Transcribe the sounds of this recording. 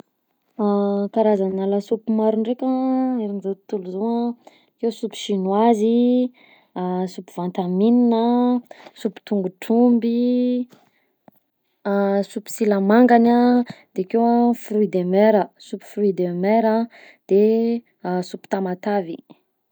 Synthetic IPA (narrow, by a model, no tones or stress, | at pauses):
akaɾazanalasupumaɾunrekʲaeɾinzot̪uluzoa | kewsupi̥ʃinwazi | supuvant̪amininə | supu̥i̥t̪uŋɡuʈ͡ʂumbi | supi̥silamaŋɡanad̪̥ekewafruid̪emeɾəsupu̥fruid̪emeɾa | d̪̥e | supu̥t̪amat̪avḭ